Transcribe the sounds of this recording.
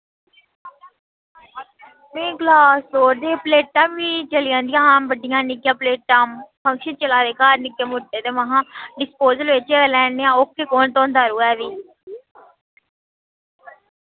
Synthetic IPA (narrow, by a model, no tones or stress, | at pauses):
mẽːɡlaːsoːɾd̪eːpleːʈ̚ʈãːmʋiːt͡ʃəlɪjãːnd̪ɪjãːɦãːbəɖɪjãːnɪkːjãːpleːʈʈaːmpʰə̃ŋkʃənt͡ʃəlaːd̪eːkaːɾnɪkːeːmʊɖeːt̪eːməɦãːɖɪspoːzəlʋɪt͡ʃelɛːɳeːãːokːeːkoːnt̪õːnd̪aːɾuːɛːʋiː